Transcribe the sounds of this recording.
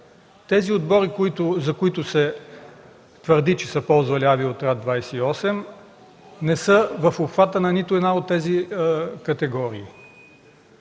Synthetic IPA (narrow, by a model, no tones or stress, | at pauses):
t̪ɛziod̪bɔɾikoit̪ʊzɐkoit̪ʊsɛ | t̪vəɾd̪it͡ʃɛsəpɔlˠzvɐliaviot̪ɾad̪d̪vajsɛiɔsɛm | nɛsəvɐfopxvat̪ənɐnit̪ʊɛd̪naot̪ːɛzikɐt̪ɛɡɔɾiː